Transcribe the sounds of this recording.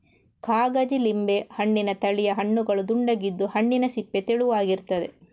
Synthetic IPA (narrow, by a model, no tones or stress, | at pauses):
kaːɡɐd͡ʒilimbe̞hɐɳːinɐt̪ɐɭijɐɦɐɳːuɡɐɭud̪uɳɖɐɡid̪ːuhɐɳːinɐsipːet̪eɭuʋaːɡiɾt̪ɐd̪e̞̰